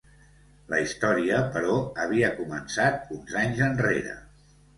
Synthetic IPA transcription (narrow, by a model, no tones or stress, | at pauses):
ləist̪ɔɾiəpəɾɔəβ̞iəkumənsat̪unzaɲzənrḛɾə̰